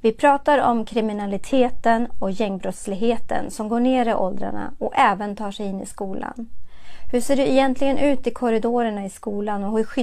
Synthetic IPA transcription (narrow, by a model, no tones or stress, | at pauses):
vɪpʰɾɑːt̪aɾɔmkʰɾɪmɪnalɪt̪ʰeːt̪ənɔjɛŋːbɾɔt̪slɪɡɦeːt̪ə̰nsɔmɡoːɳeːɾɪʔɔld̪ɾa̰ɳa̰ɔɛːvənt̪ʰɑːʂɛjɪnːɪ̰skuːla̰nhɵʂeːɖɵɛjɛnt̪ʰlɪɡənʔʉ̟ːt̪ɪkʰɔɾɪd̪oːɾəɳaɪskuːlanɔhɵɧʏ